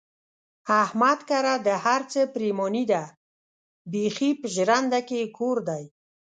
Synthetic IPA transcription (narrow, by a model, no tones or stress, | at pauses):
ahmat̪kaɾad̪əhaɾt͡səpɾemɔnid̪a | bexipəʒɾand̪akekʰoɾd̪aj